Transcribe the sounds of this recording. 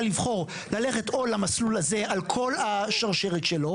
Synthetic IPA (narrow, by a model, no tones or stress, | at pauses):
livχo̞ʁ | lale̞χe̞to̞lamaslulaze̞ʔalkʰo̞laʃaʁʃe̞ʁet̪ʃelo̞